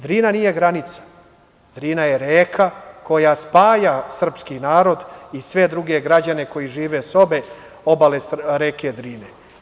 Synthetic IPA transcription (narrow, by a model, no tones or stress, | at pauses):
d̪ɾiːnanije̞ɡɾanit̪sḁ | d̪ɾiːnajeɾeːkʰako̞jaspaːjasr̩pskinaːɾo̞d̪isʋe̞d̪ɾuɡe̞ɡɾad͡ʑane̞ko̞jiʒiːʋeso̞be̞ | o̞balesɾeːked̪ɾiːne